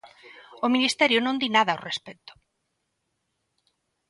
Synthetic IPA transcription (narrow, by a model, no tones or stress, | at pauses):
ʊminist̪ɛɾjʊnõnd̪inaðɐorespɛt̪ʊ̥